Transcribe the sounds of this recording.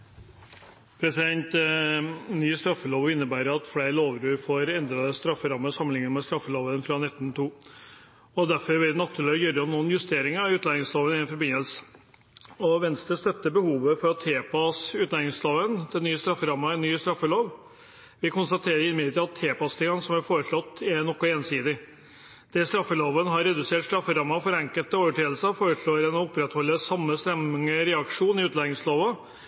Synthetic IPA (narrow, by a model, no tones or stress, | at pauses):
pʰɾɛsɪd̪ɛnt̪ | nyːst̪ɾɑfːəloːʋɪnːəbæːɾəɾɑt̪fleːɾloːʋɾʉːɾfoːɾɛnd̪ɾɑd̪əst̪ɾɑfːəɾɑmːəsɑmənɪŋːəəmɛst̪ɾɑfːəloːʋənfɾɑnɛt̪ːənt̪ʰuː | ɔd̪æɾfɔɾʋɪlnɑt̪ʰːʉːɭɪjœɾəɔmnuːənjʉst̪ʰeːɾɪŋɑʉːt̪læːnɪŋsloːʋənɪnfɔɾbɪnəlsə | ɔʋɛnst̪əst̪œt̪ːəbəhuːʋəfɔɾt̪ʰːeːpʰɑsʉːt̪lɑnɪŋsloːʋənd̪̥ɛnːyːəst̪ɾɑfːəɾɑmːɑɛnːyːst̪ɾɑfːəloːʋ | ʋɪkʊnst̪ɑt̪ʰeːɾəɾɪnɪmɪət̪id̪ɑt̪ʰːeːpɑst̪ʰɪŋːɑnəsɔmæɾfoːɾəʂɭɔt̪ːɛɾnɔkːɔeːnsiːd̪ɪ | d̪̥ɛst̪ɾɑfːəloːʋənəɦɑɾɛd̪ʉseːʈst̪ɾɑfːəɾɑmːɑfɔɾɛŋkəlt̪əoːʋəʈʰeːəlsəfoːɾəʂɭoːɾɛnɔʊpːɾɛt̪hɔlːəsɑmːəst̪ɛmɪŋəɾɛɑkʂuːnɪʉːt̪lɑɪŋsloːʋə